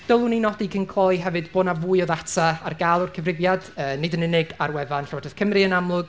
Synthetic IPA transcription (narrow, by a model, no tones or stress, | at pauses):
d̥əlˠʊninɔdikʰənkʰlˠɔiɦɛvɨdboːnavujɔðatʰaa̰rɡaːlˠʊrkʰəvrɪvjad̥əːnɪdənɪnɪɡarwɛvanɬɔɔdəθkʰəmrɨənamlˠʊɡ̥